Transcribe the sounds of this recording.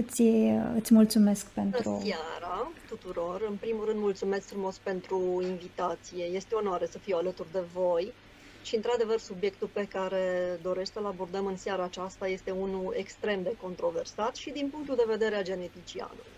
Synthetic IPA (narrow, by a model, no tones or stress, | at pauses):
ɨt̪sʲɨt̪sʲmult̪sume̞skpentɨɾṵsjaɾat̪ut̪uɾo̞rɨnpɾimuɾɨnd̪mult̪sume̞skfɾumo̞spe̞nt̪ɾuinvit̪at̪sije̞je̞st̪o̞noaɾe̞səfiwalət̪urd̪e̞vo̞j | ʃiɨnt̪ɾad̪e̞vərsubje̞kt̪ulpe̞kaɾe̞d̪o̞ɾe̞ʃt̪ʲsəlabord̪əmɨnsjaɾaːt͡ʃast̪aje̞st̪e̞unue̞kst̪ɾe̞md̪e̞ko̞nt̪ɾo̞ve̞rsat̪ʃid̪inpuŋk̚t̪uld̪e̞ve̞d̪e̞ɾead͡ʒe̞ne̞t̪it͡ʃia̰nṵluj